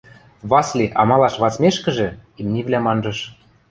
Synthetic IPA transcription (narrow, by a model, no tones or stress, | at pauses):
βɑslʲeʔɑmɑlɑʃβɑt͡smeʃkə̆ʒĕimnʲivlʲæmɑnʒɤ̆ʃ